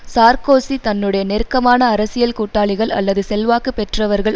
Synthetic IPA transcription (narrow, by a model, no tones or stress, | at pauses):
saːɾkoːsit̪ɐnːɯɽɐjɐnɛɾkːɐmaːnɐːɾɐsɪjɐlkuʈːaːɭɪɣɐɭɐ̰lːɐðɯsɛlʋaːkɯpɛʈrɐʋɐɾɣɐɭ